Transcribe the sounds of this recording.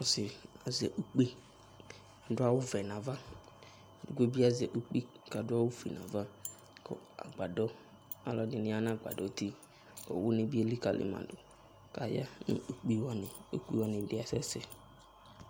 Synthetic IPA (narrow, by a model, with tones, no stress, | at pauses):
ɔ˨sɪ˨a˨zɛ˨ʔu˨k͡pi˦ | a˨dʊ˦a˦wʊ˦vɛ˨nã˨va˦˨ | du˨ɡʷe˦bi˦a˦zɛ˨ʔu˦k͡pi˦ | ka˨dʊ˦a˦wʊ˦fi˨nã̰˨va˦ | kɔ̰˦a̰˨ɡ͡ba˨dɔ˦ | a˨lɔ˨nɪ˨nɪ̃˦a˦nã˦˨ɡ͡ba̰˨dɔ˨˦t̪i˦ | ɔ̰˨wʊ˦nɪ̃˦bi˦e˦li˦ka˨lʔɪ̰˨ma̰˨dʊ˨ | ka˨ja̰˦nʊ̰̃˨u˨k͡pi˦wa˦nɪ˨o˦k͡pi˦wa˨nɪ̃˨dɪ˨˦a˨sɛ˦sɛ˨